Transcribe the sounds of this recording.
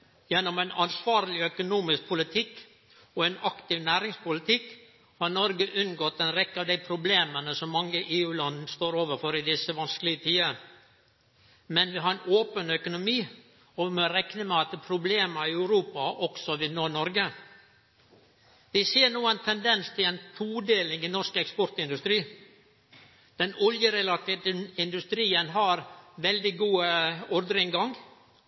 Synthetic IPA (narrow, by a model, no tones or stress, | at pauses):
jɛnːɔmæɪnɑnsʋɑːɾlɪœkʊnuːmɪsk̚pʰʊlɪt̪ʰɪkː | ɔɛnɑkt̪ɪʋnæːɾɪŋspʊlɪt̪ʰɪkː | hɑɾnɔɾɡəʔʉnːɡɔt̪ːɛnɾɛkːəɑʋd̪æɪpʰɾʊbleːmənəsɔmːɑŋːəʔeːʉːlɑnd̪n̩st̪oːɾoːʋəɾfɔɾɪd̪ɪsːəʋɑnsklɪɡət̪ʰiːə | mɛnʋɪɦɑɾɛnʔoːpənœkʊnʊmiː | ɔʋɪmɔɾɛknəmɛɑt̪̚d̪ɛːpʰɾʊbleːməɪœʉɾuːpɑʔɔksɔʋɪnoːnɔɾɡə | ʋɪseːnuːənt̪ʰɛnd̪ɛnst̪ʰɪlɛnt̪ʰuːd̪eːlɪŋɪnɔɾʂkəɛkspɔɾt̪ɪnd̪ʉst̪ɾiː | d̪̥ɛnɔljəɾɛlɑt̪it̪ɪnd̪ʉst̪ɾiːənɦɑɾʋɛld̪ɪɡuːəɔɾd̪ɾɪŋɡɑŋ